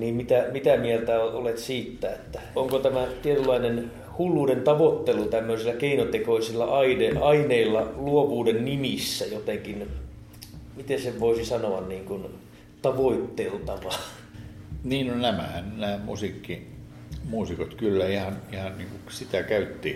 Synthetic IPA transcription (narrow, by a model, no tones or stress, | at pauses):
niːmmit̪æmit̪æmielt̪æoolet̪siːt̪ːæet̪ːæoŋkot̪æmæt̪iet̪ylːɑinen | hulːuːdent̪ɑʋot̪ːelut̪æmːøisilːækeinot̪ekoisilːɑʔɑideɑineilːɑluoʋuːdennimisːæjot̪eŋkin | mit̪enseʋʋoisisɑnoɑnniːŋkun | t̪ɑʋoit̪ːelt̪ɑʋɑ | niːnnonæmæ̰hænnæːmṵsikːi | muːsikot̪kylːæihɑnihɑnniːŋkusit̪ækæyt̪ːiː